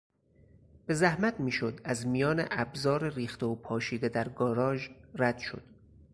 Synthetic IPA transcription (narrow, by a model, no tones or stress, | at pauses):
b̥e̞zæhmæt̪ʰmiːʃo̞d̪æzmijɒːnḛʔæbzɒːɾeriːxt̪eopʰɒːʃiːd̪e̞d̪æɾɡɒːɾɒːʒræd̪̥ʃo̞̰d̪̥